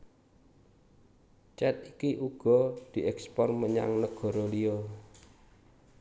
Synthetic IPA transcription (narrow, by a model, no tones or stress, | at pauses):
t͡ʃɛt̪ikiʔuɡ̥ɔ̤d̪̥i̤ʔɛkspɔrməɲa̰ŋnəɡ̥ɔ̤ɾolio